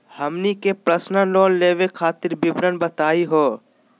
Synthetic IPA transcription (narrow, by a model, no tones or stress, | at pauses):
hɐmnikepɾəsnəlɔːlːeːʋekʰaːt̪ɪɾbɪbɾənbət̪aːiɦoː